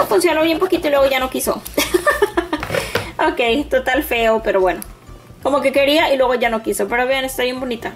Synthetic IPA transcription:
funsjonoβjempo̞kit̪oilwe̞ɣoʝano̞kiso̰ | okejt̪ot̪alfe̞ope̞ɾo̞βwe̞no̞ | ko̞mo̞ke̞ke̞ɾiaʔilwe̞ɣoʝano̞kisope̞ɾoaβeanest̪aβje̞mbo̞nit̪a

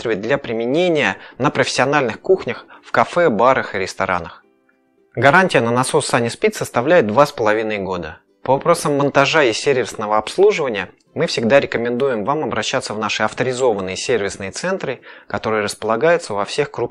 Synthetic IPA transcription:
t̪ɾʲɪvʲɪt̚ʲd̪lʲapɾʲɪmʲɪnʲenʲɪjənəpɾəfʲɪ̥sʲːɐnalʲnɨxkuxnʲəxfkɐfɛbaɾəxɨɾʲɪst̪ɐɾʔa̰nəx | ɡɐɾanʲtʲɪjənənɐsosanʲɪspʲit̪ʲsəst̪ɐvlʲæjɪt̪̚d̪vaspəlˠɐvʲinəjɡo̞d̪ə | pəvɐpɾo̞səmːənt̪ɐʐaɪsʲervʲɪsnəvəɐpslˠuʐɨvənʲɪjə | mɨfsʲɪɡ̚d̪aɾʲɪkəmʲɪnd̪ujɪmvamɐbɾʔɐɕːat̪səvnaʂɨɐft̪əɾʲɪzo̞vənːɨjəsʲervʲɪsnɨjət̪sɛnt̪ɾɨkɐt̪o̞ɾɨjəɾəspəlˠɐɡajʊt̪səvɐfsʲe̞xkɾup

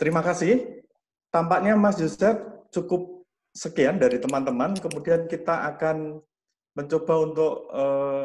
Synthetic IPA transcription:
t̪əɾimakasɪh | t̪ampaʔɲamasd͡ʒusɛt̪̚t͡ʃukʊp̚ | səkiandaɾit̪əmant̪əmankəmudiankit̪aʔakan | məɲt͡ʃob̥aunt̪ʊk̚ə

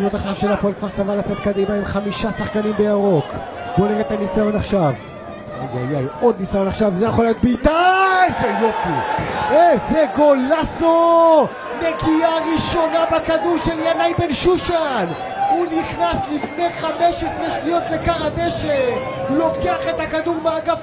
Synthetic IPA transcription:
ʃmotaχʃavʃelapoelkvaʁsavalat͡set̪kad̪imaimχamiʃasaχkanimbejaʁo̞k | boleʁet̪anisajo̞naχʃav | a̰ja̰jajod̪̚nisajonaχʃavzejaχolajo̞t̚biːt̪ajejo̞fiezeɡolaso | ne̞ɡiaʁiʃo̞nabakaduʁʃe̞ljanajbenʃuʃan | uniχnaslifneχameʃesʁeʃnijo̞t̪lekaʁad̪eʃe | ulo̞keaχet̪hakad̪uʁmeaɡaf

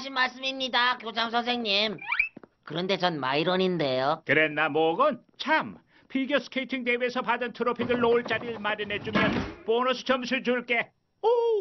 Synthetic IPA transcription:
ɕʰinmaɭs͈ɯmimɲidakjod͡ʑaŋsʰʌnsʰe̞ŋɲimkɯɾʌnde̞t͡ɕʌnmaiɾʌninde̞jokɯɾenːamoɡʌnt͡ɕʰam | pʰiɡjʌs͈ʰɯ̥kʰeitʰiŋtewesʰʌpadɯntʰɯɾopʰidɯɭːoɭt͡ɕ͈aɾiɭmaɾene̞d͡ʑumjʌnponʌsʰʌ̥t͡ɕʌmsʰuɭd͡ʑuɭk͈e̞ | o

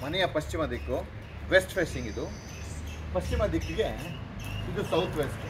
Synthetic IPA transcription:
mɐnɛjɐpɐɕt͡ʃimɐd̪ikːu | ʋesʈfeːsiŋɡid̪u | pɐɕt͡ʃimɐd̪ikːiɡe | id̪usɐwt̪ʰʋesʈ

